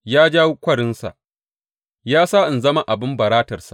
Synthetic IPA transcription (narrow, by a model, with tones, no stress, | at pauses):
jaː˦d͡ʒaː˦wu˦kʷɐ˦˨ɽɪ˦nsa̰˨ | jaː˦saː˦ʔɪ˨nzɐ˦ma˦ʔa˨bɪ˦mbɐ˨ɾaː˦tɐ˨rsḁ̰˨ʔ